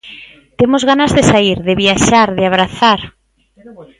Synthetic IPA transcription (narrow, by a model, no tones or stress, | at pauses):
t̪emozɣanazðesaiɾðɪβjaʃaɾðɪaβɾaθaɾ